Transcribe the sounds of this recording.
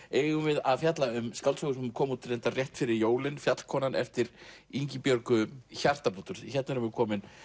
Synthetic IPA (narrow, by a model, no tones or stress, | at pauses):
eːjɣʏmvɪðaðfjat̪laʏmskawlt̪sɔɣʏsɛmkʰɔːmuːt̪rejnt̪arjɛht̪fɪɾɪɾjoːwlɪnfjat̪l̥kʰɔːnanʔɛ̰ft̪ɪɾiɲcɪpjœɾkʏçar̥t̪apuːt̪ʏɾ̥çɛt̪naɾʏmvɛkʰɔːmɪn